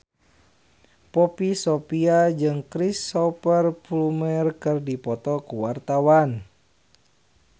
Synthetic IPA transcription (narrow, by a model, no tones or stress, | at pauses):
pɔpisɔpiad͡ʒɨŋkɾisːɔpərpulumərkɨrdipɔt̪ɔkuwart̪awan